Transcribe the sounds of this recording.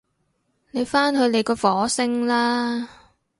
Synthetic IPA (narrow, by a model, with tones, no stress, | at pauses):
ne˨˧jfaː˥nɦɵ˧ɥne˨˧jkɔː˧fɔː˨˥sɪ˧ŋlaː˥